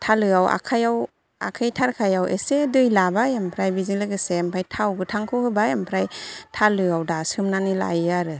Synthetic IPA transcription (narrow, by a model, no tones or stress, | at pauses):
tʰalɯawa̰kʰajaw | a̰kʰajtʰaɾkʰajawʔesedɯjlabajampʰɾajbizilɯɡɯsempʰajtʰawɡɯtʰaŋkʰɯhɯbajampʰɾajtʰalɯawdasɯmnanila̰jaɾɯ